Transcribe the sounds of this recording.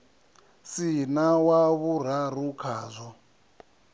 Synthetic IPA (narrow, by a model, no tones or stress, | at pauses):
sinawaβur̤arukʰaːzʷɔ